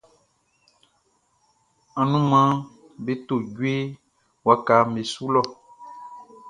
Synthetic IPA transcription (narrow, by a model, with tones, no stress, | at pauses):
ã˨nũ˦mã˦ | be˦t̪o˦˨ɟu˦e˦ | wa˨ka˨me˨su˦lɔ˦˨